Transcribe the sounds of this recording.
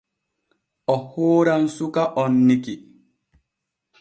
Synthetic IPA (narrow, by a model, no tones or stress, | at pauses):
ɔhoːɾansukaʔɔnːiki